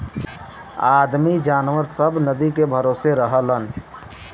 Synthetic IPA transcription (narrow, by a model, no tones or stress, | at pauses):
ad̪mid͡ʒaːnwəɾsəbʱnəd̪ikebʱəɾoseɾəɦələn